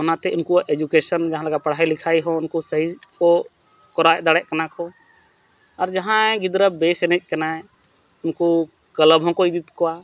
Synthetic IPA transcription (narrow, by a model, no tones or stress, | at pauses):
ɦɔnat̪ɛʊnkuaʔed͡ʒukesənd͡ʒəɦãləɡapəɽ̤ailɪkʰaiɦɔ̃ʊnkosəɦikɔ | kɔɾaɛd̪aɽɛʔkənakɔ | ɔɾd͡ʒəɦãɡɪd̪ɾəbesɛnɛt͡ʃ̚ʼkənaɛ | ʊnko | kələbɦɔ̃koid̪it̪kɔa